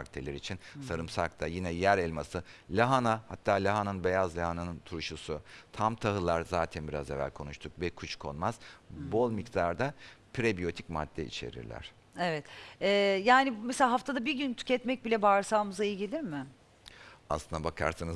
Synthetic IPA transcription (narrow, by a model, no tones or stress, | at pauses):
akt̪ʰelʲeɾit͡ʃʰinsaɾɯmsa̰k̚t̪ʰajinɛjæɾɛlʲmasɯlʲaɦanahat̪ʰːaːlʲaɦanɯnbe̞jazlʲaɦananɯnt̪ʰuɾuʃusut̪ʰamt̪ʰaɦɯlˠaɾzaːt̪ʰænbiɾazevæ̰lʲkʰo̞nuʃt̪ʰuk̚vɛkʰut͡ʃkʰo̞̰nmaz̥bo̞lˠmikd̪aɾd̪apʰɾebijo̞t̪ʰicma̰d̪̥ːɛ̰ʔḭt͡ʃʰe̞̰ɾḭɾlʲæ̰ɾ̝̥ | evɛt̪ɛːjaːnimeselaːɦaft̪ʰad̪abiɾɟynt̪ʰy̥cɛt̪mɛc̚bilʲɛbaɾsaːmɯzailʲɟilʲiɾmɪ | aslˠɯnd̪abakʰa̰ɾsɯnɯz